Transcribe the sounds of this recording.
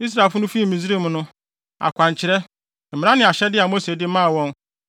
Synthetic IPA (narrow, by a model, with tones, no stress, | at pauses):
i˦s̬ɾa˨e˨lfʊ˦nʊ̃˦fi˦˨mĩ˨zi˦ɾi˦m˨nʊ̃˦ | a̰˨kʷã˨ɲ˨t͡ɕʰɪ˨ɾɛ˦ | m̩˨mɪ̃˨˦ã˦nɪ̃˨a˨ɕɛ˦dɪ˦a˨mo˦se˨dɪ˦mã˦˨wɔ̃˦n